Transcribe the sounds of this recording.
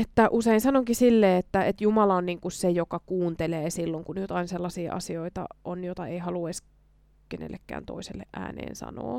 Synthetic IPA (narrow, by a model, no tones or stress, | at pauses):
et̪ːæʔuseinsɑnoŋkisilːeːet̪ːæet̪jumɑlɑonniːŋkussejokɑkuːnt̪eleːsilːoŋkunjot̪ɑinselːɑsiːʔɑ̰sioit̪ɑ̰ʔonjot̪ɑeihɑluɑs | kenḛlːekːæ̰ːnt̪o̰iselːḛʔʔæ̰ːnḛːnsɑ̰no̰ː